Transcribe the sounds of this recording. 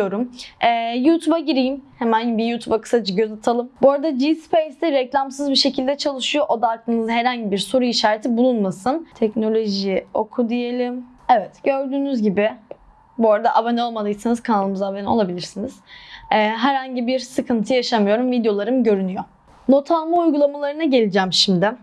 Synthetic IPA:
o̞ɾumɛːjuːt̪ʰubaɟiɾijimhemænɟibijuːt̪ʰubakʰɯ̥sad͡ʒɯɟøzat̪ʰalˠɯmboɾad̪ad͡ʒispejst̪iɾɛclʲamsɯzbiʃe̞cʰilʲd̪ɛt͡ʃʰalˠɯʃujoʔod̪aːk̚lʰˠɯːnɯzaɦeɾhaɲɟibiɾso̞ɾuiʃaːɾet̪ʰibulˠunmasɯnt̪ʰɛcno̞lʲo̞ʒio̞̰kʰud̪ije̞lʲim | evɛt̪ɟø̞ɾd̪yːnyzɟibɪ | boɾad̪aʔabanɛo̞lˠmad̪ɯjsɯnɯz̥kʰanalˠɯmɯzabano̞̰lˠabilʲiɾsiniz̥ɛːɦæɾhaɲɟibiɾsɯkʰɯnt̪ʰɯjaʃamɯjo̞ɾumvid̪jo̞lˠaɾɯmɟø̞ɾynyjo | no̞t̪ʰalˠmaujɡulˠamalˠaɾɯnaɟe̞lʲid͡ʒæmʃimd̪ɪ

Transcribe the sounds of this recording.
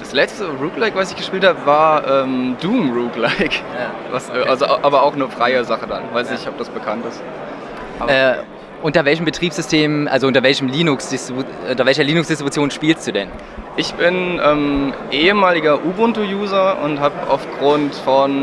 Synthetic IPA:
d̥aslɛt͡stəʁuːklaɪkv̥asɪçɡ̥əʃpiːlthaːbəvaːɐʔɛːmduːmʁuːklaɪk | vasʔalzoʔʔaːbɐaʊxnəfʁ̥aɪəzaχədanvaɪsnɪçɔp̚d̥asb̥əkʰantɪst | aɛː | ʔʊntɐvɛlç̬əmbətʁ̥iːpsz̥ʏstʰeːmʔa̰lzoʔʊnt̬ɐvɛlçəmliːnʊksd̥ɪstiʔʊntɐvɛlçɐliːnʊksd̥ɪstʁ̥ibut͡sjoːnʃpiːlst̚d̥uːdɛn | ʔɪçb̥ɪnʔɛːmʔeːəmaːlɪɡɐʔubʊntojuːzɐʊ̰nthaːpa̰ʊfɡ̥ʁʊntfɔn

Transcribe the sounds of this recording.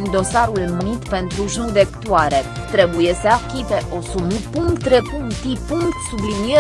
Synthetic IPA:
nd̪o̞saɾulmɨt̪pe̞nt̪ɾuʒnud̪ekt̪uaɾe̞ | t̪ɾe̞buje̞səakʲipeʔo̞sumupuŋkt̪ɾepuŋt̪ipuŋkt̪sublinie

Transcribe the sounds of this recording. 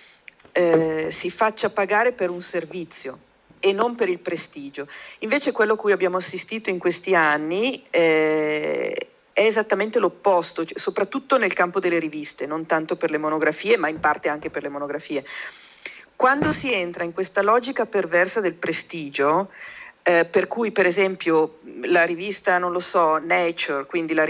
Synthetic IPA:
ɛsifat͡ʃːapaɡaːɾepeɾunservit̪sːjo | enːompeɾilpɾest̪iːd͡ʒoiɱveːt͡ʃekwelːokujabːjaːmoasːist̪iːt̪oiŋkwest̪ianːiɛ | ɛezat̪ːament̪elopːɔst̪osopɾat̪ːut̪ːonelkampod̪elːeɾivist̪enont̪ant̪operlemonoɡɾafiːemaimpart̪eaŋk̟eperlemonoɡɾafiːe | kwand̪osient̪ɾaiŋkwest̪alɔːd͡ʒikapervɛrsad̪elpɾest̪iːd͡ʒo | perkujpeɾezɛmpjolaɾivist̪anonlosɔnɛt͡ʃorkwind̪ila

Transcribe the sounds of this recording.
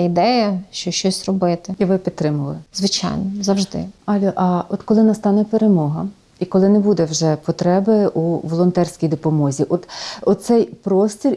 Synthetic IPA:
id̪ɛjɐʃt͡ʃɔʃt͡ʃɔsʲrɔbɪt̪ɪiʋɪpʲid̪̚t̪ɾɪmʊlˠɪzʋɪt͡ʃa̰jnɔzɐwʒd̪ɪ̰ɑlʲɔʔɐɔt̪kɔlˠɪnɐst̪ɑnɛpeɾemɔɦɐ | ikɔlˠɪnɛbud̪ɛwʒɛpɔt̪ɾɛbɪʔuʋɔlˠɔnt̪ɛrʲsʲkʲijd̪ɔpɔmɔzʲiʔɔt̪ɔsɛjpɾɔsʲt̪ʲirʲ

